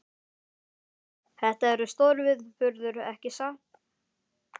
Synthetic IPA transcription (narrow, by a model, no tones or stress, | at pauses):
θɛht̪aɛɾʏst̪oːɾvɪðfʏɾðʏɾɛhcɪsaːt̪